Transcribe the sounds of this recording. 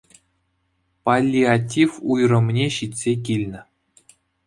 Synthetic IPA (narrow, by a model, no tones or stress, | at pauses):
palʲːiatʲːifujrɤ̆mnʲeɕit̪ʲsʲek̬ʲilʲnʲɘ̆